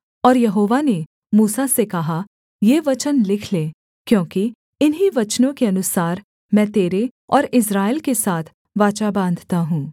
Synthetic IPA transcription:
ɔːɾjɐɦoːʋane | muːsasekɐɦa | jeːʋɐt͡ʃənlɪkʰleː | kjõːki | ɪnɦiʋɐt͡ʃnõkeɐnʊsaːɾ | mɛ̃ːt̪eːɾeɔːɾɪs̬ɾaːɪlkesaːt̪ʰ | ʋaːt͡ʃabãːnd̪ʱt̪aɦũː

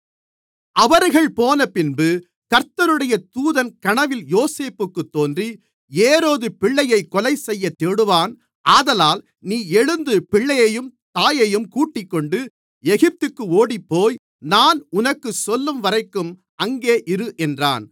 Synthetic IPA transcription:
ɐʋɐɾɣɐɭpoːnɐpɪnbɯ | kɐɾt̪ɐɾɯɽɐjɐt̪uːðɐnkɐɳɐʋɪljoːseːpːɯkːɯt̪ːoːndri | eːɾoːðɯpɪɭːɐjɐɪkːɔlɐɪsɛjːɐt̪ːeːɽɯʋaːn | aːðɐlaːl | niːɛɻɯnd̪ɯpɪɭːɐjɐjɯmt̪aːjɐjɯmkuːʈːɪkːɔɳɖɯ | ɛɣɪp̚t̪ɯkːɯoːɽipːoːj | naːnʊnɐkːɯsɔlːɯmʋɐɾɐɪkːɯm | ɐŋɡeːʔɪɾɯʔɛndra̰ːn

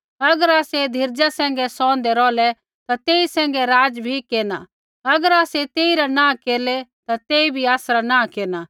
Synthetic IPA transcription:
ɐɡəɾaːsed̪ʱɪɾd͡ʒasɛ̃ːŋɡɛsɔ̃ːn̆d̪ɛɾɔːlɛ | t̪at̪eːisɛ̃ːŋ̆ɡɛɾaːd͡ʒbʱikeːna̰ | ɐɡəɾaːset̪eːiɾanãːkeːlɛt̪at̪eːibʱiaːsɾanãːkeːna

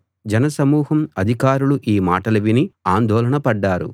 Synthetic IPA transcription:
d͡ʒɛnɐsɐmuːɦɐmɐd̪ʱikaːɾuluʔiːmaːʈɐlɐʋiniaːnd̪ʱɔːlɐɳɐpɐɖːaːɾṵ

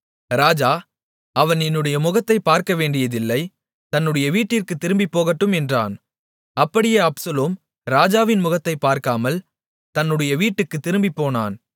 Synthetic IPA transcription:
ɾaːd͡ʒaː | ɐʋɐnɛnːɯɽɐjɐmʊɣɐt̪ːɐɪpaːɾkɐʋeːɳɖɪjɐðɪlːɐɪ | t̪ɐnːɯɽɐjɐʋiːʈːɪrkɯt̪ːɪɾɯmbipːoːɣɐʈːɯmɛndra̰ːn | ɐpːɐɽɪjeːɐpsɐloːm | ɾaːd͡ʒaːʋɪnmʊɣɐt̪ːɐɪpːaːɾkaːmɐl | t̪ɐnːɯɽɐjɐʋiːʈːɯkːɯt̪ːɪɾɯmbipːoːna̰ːn

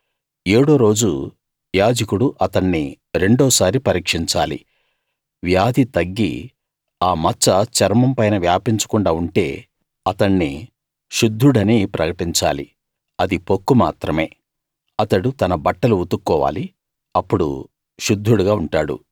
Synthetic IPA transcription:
eːɽoːɾo̞ːd͡ʒu | ʋjaːd͡ʒɐkuɽuʔɐt̪ɐɳːi | ɾe̞ɳɖɔːsaːɾipɐɾiːkʂiɲt͡ʃa̰ːlḭ | ʋjaːd̪ʱit̪ɐɡːḭ | aːmɐt͡ʃːɐt͡ʃɐɾmɐmpɐjnɐʋjaːpiɲt͡ʃɐ̥kuɳɖaːuɳʈe̞ː | ɐt̪ɐɳːi | ʃud̪ʱːuɽɐniːpɾʔɐ̰kɐʈiɲt͡ʃa̰ːlḭ | ɐd̪ipo̞kːuma̰ːt̪ɾɐme̞ː | ɐt̪ɐɽut̪ɐnɐbɐʈːɐluut̪ukːɔːʋa̰ːli | ɐpːuɽṵ | ʃud̪ʱːuɽuɡaːuɳʈaːɽṵ

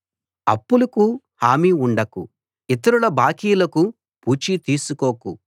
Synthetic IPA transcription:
ɐ̰pːulɐku | haːmiuɳɖɐku | it̪ɐɾulɐbaːkiːjlɐku | puːt͡ʃit̪iːsukoːku

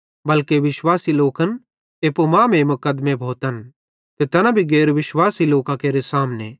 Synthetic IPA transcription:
bɐlkeʋɪʃwaːsiloːkən | eːpomãːmẽmʊkəd̪mẽbʱoːt̪ən | t̪et̪ɐnabʱiɡeːɾʋɪʃwaːsiloːkãkeːɾesaːmnḛ

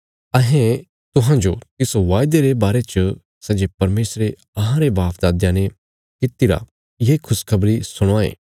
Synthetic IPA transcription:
ɐɦẽ | t̪ʊɦãd͡ʒot̪ɪsoʋaːɪd̪eɾebaːɾet͡ʃə | sɛd͡ʒepɐɾmeːsɾe | ɐɦãɾebaːpʰd̪aːd̪jãne | kɪt̪iɾa̰ | jekʰʊskʰɐbɾisʊɽ̃aːḛː

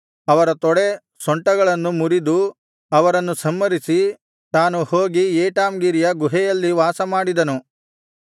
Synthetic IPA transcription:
ɐʋɐɾɐt̪ɔɽe | sɔɳʈɐɡɐɭɐnːumuɾid̪u | ɐʋɐɾɐnːusɐmːɐɾisi | t̪aːnuhoːɡieːʈaːmɡiːɾijɐɡuɦɛjɐlːiʋaːsɐmaːɽid̪ɐnu

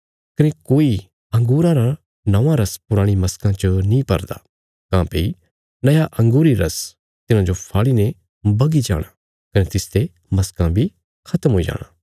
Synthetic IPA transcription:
kɐnekoːi | ɐ̃ŋɡuːɾãɾa | nɐʋãɾɐspʊɾaːɽ̃imɐskãt͡ʃənĩpɐ̰ɾd̪a̰ː | kãːpei | nɐjaʔɐ̃ŋɡuːɾiɾɐs | t̪ɪnãd͡ʒopʰaːɭinẽ | bɐɡid͡ʒa̰ːɽ̃a | kɐnet̪ɪst̪e | mɐskãbʱi | kʰɐt̪əmɦoːid͡ʒa̰ːɽ̃a̰ː

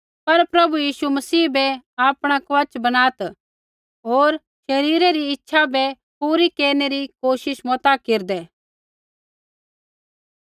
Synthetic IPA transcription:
pɐɾpɾɐbujiːsumɐsiːbɛaːpɽ̃akʋɐt͡ʃbɐnaːt̪ | ɦoːɾ | ʃɐɾiːɾɛɾiɪtːʃʰabɛ | puːɾikeːɾneɾikoːʃɪʃmɔːt̪akeːɾd̪ɛː

